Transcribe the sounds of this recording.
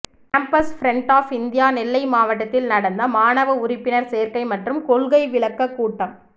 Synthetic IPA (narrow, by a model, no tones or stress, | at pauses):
kampɐsfɾɛɳʈaːfɪnd̪ɪjaːnɪlːɐɪmaːʋɐʈ̬ːɐt̪ːɪlnɐɽɐnd̪ɐmaːnɐʋɐʊɾɪpːɪnɐɾseːɾkɐɪmɐʈrɯmkɔɭɣɐɪʋɪɭɐkːɐkːuːʈːɐm